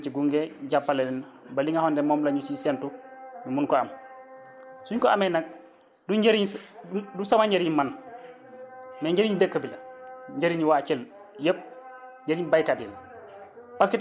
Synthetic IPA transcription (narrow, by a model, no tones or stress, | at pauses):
t͡ʃiɡuŋɡeɟapːalɛnɛnbaliŋahɔndɛmɔːmlaɲut͡ʃisɛntumimunkɔam | suɲkɔamɛnak̚ | duɲɟeɾiɲdusamaɲɟeɾiɲman | mɛɲɟeɾiɲdəkːəbilɐɲɟeɾiɲiwat͡ʃɛl | jəp̚ɲɟeɾiɲbajkadil | paski